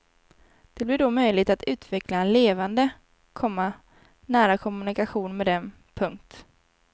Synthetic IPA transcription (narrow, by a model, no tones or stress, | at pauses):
d̪̥ɛblɪɖɔmœjlɪɡ̚t̪at̪ʉ̟ːt̪ʰvɛklaɛnleːvand̪ə | kʰɔmːa | næːɾakʰɔmɵnɪkaɧuːnmɛd̪ɛn | pʰɵŋk̚t̪